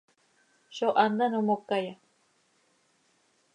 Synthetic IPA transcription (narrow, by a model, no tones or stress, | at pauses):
ʃoʔand̪anomokːaja